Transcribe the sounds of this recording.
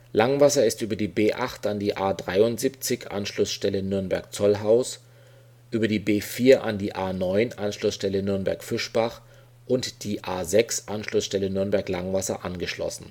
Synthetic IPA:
laŋvasɐɪstʔyːbɐdiːbeːʔaχtandiːʔaːdʁaɪʊntz̥iːp̚t͡sɪçʔa̰nʃlʊsʃtɛlənʏɐnbɛ̰ɐk̚t͡sɔlɦaʊs | ʔyːbɐdiːbeːfiːɐʔa̰ndiːʔaːnɔʏnʔanʃlʊsʃtɛlənʏɐnbɛ̰ɐkfɪʃb̥aχ | ʔʊntd̥iːʔaːzɛksʔanʃlʊsʃtɛlənʏɐnbɛɐklaŋvasɐ̰ʔanɡəʃlɔ̰sn̩

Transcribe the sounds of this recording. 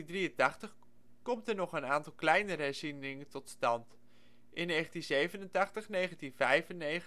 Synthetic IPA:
drijəntɑχtəχ | kɔmtəɹnɔχənaːntɑlˠklɛjnəɾəɦɛɹzinɪŋətɔtstɑnt | ʔɪnːejχəntinzejvənəntɑχtəχnejχəntinvɛjvənːej

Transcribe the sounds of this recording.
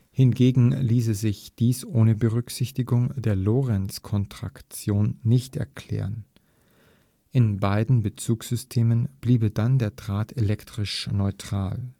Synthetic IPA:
hɪnɡeːɡŋ̩liːs̬əzɪçd̥iːsʔoːnəbəʁʏkz̥ɪçtɪɡʊŋd̥eːɐloːʁɛnskʰɔntʁ̥a̰kt͡sjoːnːɪçtɛ̰ɐkʰl̥ɛ̰ːʁən | ʔɪnbaɪdn̩bət͡suːksz̥ʏstʰeːmənb̥liːbədandeːɐdʁaːtʰelɛktʁ̥ɪʃnɔʏtʁ̥a̰ːl

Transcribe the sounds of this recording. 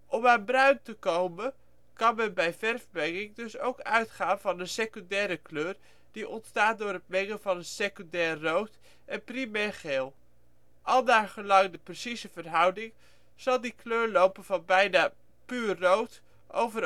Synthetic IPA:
ʔɔmaːnbrœɥntəkowmən | kɑnmɛnbɛjvɛrvəbɛŋɪŋdɵsowkœɥtχaːnvɑnənsekøndɛːɾəkløːr | d̥iʔɔntstaːt̚dʊːɾət̚mɛŋənvɑnənsekyndɛːrːowt | ʔɛnprimɛːɹχeːlˠ | ʔɑlˠdaːɹχəlɑŋdəprəsizəvərɦʌwdɪŋ | z̥ɑlˠdikløːɹlowpənv̥ɑnbɛjnaː | pyːrːowt | ʔo̰wvəɾ

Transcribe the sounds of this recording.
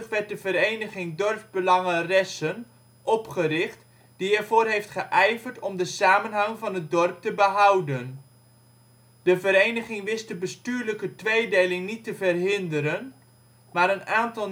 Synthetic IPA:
əχʋɛɹt̚dəvəɾejnəχɪŋdɔrvbəlɑŋərɛsən | ʔɔpχərɪχt | d̥iiəːɹvoːrɦejftχəʔɛjvərtɔmdəsaːmənɦɑŋvɑnɦət̚dɔrp̚təbəɦʌwdən | d̥əvəɾejnəχɪŋʋɪstdəbəstyːɹləkətʋejdejlɪŋnitəvərɦɪndəɾən | maːɾənaːntɑlˠ

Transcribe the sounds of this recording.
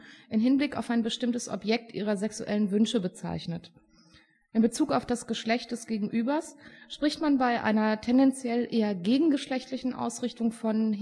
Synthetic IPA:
ʔɪmɦɪnblɪka̰ʊfaɪnbəʃtɪmtəsʔɔ̰pjɛk̚tʔḭːʁ̞ɐzɛksṵʔɛlənvʏnʃəbət͡sa̰ɪçnət | ʔɪnbət͡suːkaʊfd̥asɡ̥əʃlɛçt̚d̥ɛsɡ̥eːɡŋ̩ʔyːbɐsʃpʁ̥ɪçtmanbaɪʔa̰ɪnɐtʰɛndɛnt͡sjɛlʔeːɐɡeːɡŋ̩ɡəʃlɛçtlɪçn̩ʔa̰ʊsʁɪçtʊŋfɔn

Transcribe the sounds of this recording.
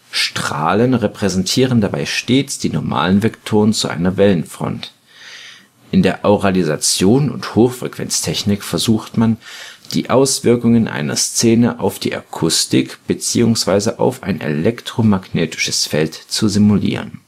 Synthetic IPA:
ʃtʁ̥a̰ːlənʁepʁ̥ɛzɛntʰiːʁəndabaɪʃteːt͡sd̥iːnɔɐma̰ːlənvɛktʰoːʁənt͡suʔa̰ɪnɐvɛlənfʁ̥ɔ̰nt | ʔɪndeːɐʔoʁalizat͡sjoːnʊ̰nthoːxfʁ̥ɛkv̥ɛ̰nt͡stʰɛçnɪkfɛɐzuːxtmand̥ḭːʔaʊsv̥ɪɐkʊŋənʔa̰ɪnɐ̰st͡seːnəʔaʊfd̥ḭːʔa̰kʰʊstɪkb̥ət͡siːʊŋsv̥aɪzəʔa̰ʊfa̰ɪnḛlɛktʁ̥omaɡneːtʰɪ̥ʃə̥sfɛltt͡suzimulḭːʁ̞ən

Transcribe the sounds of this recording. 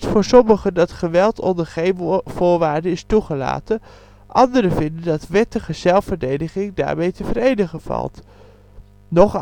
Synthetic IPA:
tfʊːɹsɔməχəndɑtχəʋɛlˠtʰɔ̰ndəɹχejnv̥ʊːɹʋaːɹdəɪstuχəla̰ːtən | ʔɑndəɾəvɪndəndɑtʋɛtəχəzɛlˠfəɹdejdəχɪŋda̰ːɹmejtəvəɾejnəχəv̥ɑ̰lˠt | nɔχ

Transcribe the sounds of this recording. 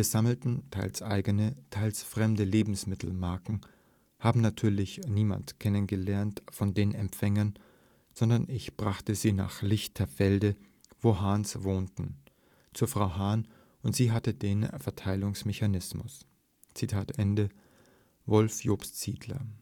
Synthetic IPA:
viːɐzaml̩tn̩tʰaɪlsʔa̰ɪɡənətʰaɪlsfʁ̥ɛmdəleːbm̩smɪtʰl̩maɐkŋ̩ | haːbm̩natʰyːɐlɪçniːma̰ntkʰɛnənɡəlɛɐntfɔndeːnɛ̰mpfɛŋɐn | z̥ɔndɐnɪçb̥ʁaχtəziːna̰ːχlɪçtʰɐɐfɛldə | voːɦaːnsvoːntn̩ | t͡suːɐfʁ̥aʊɦaːn | ʔʊntz̥iːɦatədeːnfɛɐtʰaɪlʊŋsmɛçanɪsmʊ̰s | t͡sitʰaːtʔɛndə | vɔlfjoːpstz̥iːdlɐ̰

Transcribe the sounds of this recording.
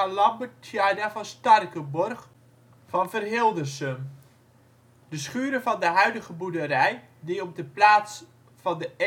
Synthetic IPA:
alɑbətʰjajdafɔnstɑrkəbɔrχ | fɔnfərɦɪlˠdərsəm | d̥əsχyːɾəfɔndəɦœɥdəɣəbudəɾɛj | diɔp̚dəplaːs | fɑndə

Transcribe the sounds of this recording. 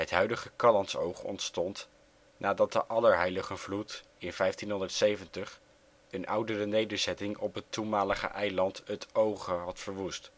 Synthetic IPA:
ɦətɦœɥdəχəkɑlɑntso̰wχɔ̰ntstɔnt | nʔaːdɑd̚dəʔɑləɹɦɛjləχənvlutɪnvɛjftinɦɔndəɹtsejvəntəχ | ənʔʌwdərənejdəɹzɛtɪŋɔpɦətːunmaːləχə̰ʔɛjlɑntətowχəɦɑtfəɹʋust

